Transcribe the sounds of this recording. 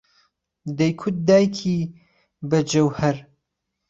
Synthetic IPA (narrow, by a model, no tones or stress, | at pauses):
d̪ɐjkʰʊt̪̚d̪aːjkʰi | bɐd͡ʒɐwhɐɾ